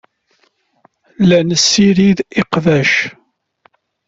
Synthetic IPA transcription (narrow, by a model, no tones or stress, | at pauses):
lænəsːiɾiðiqðæʃ